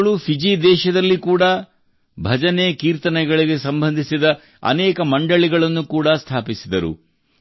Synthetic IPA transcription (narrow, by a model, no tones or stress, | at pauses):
ɭupʰid͡ʒid̪ɛːʃɐd̪ɐlːikuːɽɐ | bʱɐd͡ʒɐnekiːɾt̪ɐnɛɡɐɭiɡe̞sɐmbʱɐnd̪ʱisid̪ɐ | ɐ̰nɛːkɐmɐɳɖɐɭiɡɐɭɐnːukuːɽɐst̪ʰaːpisid̪ɐɾṵ